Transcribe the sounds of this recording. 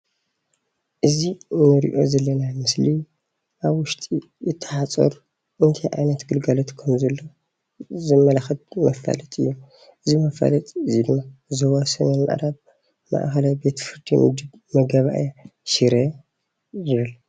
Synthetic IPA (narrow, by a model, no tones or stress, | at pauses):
ʔɨzinɨɾḭʔo̞̰zɐlːɐnamɨsli | ʔaβwʊʃt̪ʼi | jɨt̪ʰːɐ̥ħat͡sʼɐ̰ɾ | ʔɨnt̪ʰijʔa̰jnɐt̪ɡɨlɡalot̪kʰɐmzɐlːo̞ | zɨmːɐlaxɐt̪mɐfa̰lɐt̪ʼɨjːu | ʔɨzimɐfa̰lɐt̪ʼɨzid̪ɨmːazoβasɨmenma̰ʔɾaβ | ma̰ʔxɐlajbe̞t̪ʰfɨɾd̪ḭmʔṵd̪ɨb | mɐɡɐβa̰ʔjaʃiɾɐ | jɨβɨl